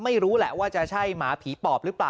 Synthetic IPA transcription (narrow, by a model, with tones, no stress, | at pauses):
ma˥˩jɾuː˦˥lɛ˨˩waː˥˩t͡ɕa˨˩t͡ɕʰa˥˩jmaː˩˦pʰiː˩˦p̪ɔː˨˩p̚ɾɯː˦˥plaː˨˩